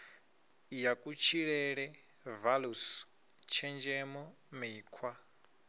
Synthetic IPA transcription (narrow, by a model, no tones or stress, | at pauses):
jakʼut͡ʃʰiɺɛɺɛ | valus | t͡ʃʰɛnd͡ʒɛmɔ | miːkʰwa